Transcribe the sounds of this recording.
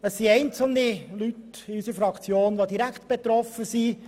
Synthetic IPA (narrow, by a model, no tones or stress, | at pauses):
əsːiɛɪnt͡sl̩nilytɪysəɾfɾɑkt͡sjoːnʋod̪iɾækt̪b̥et̪ɾɔfəsi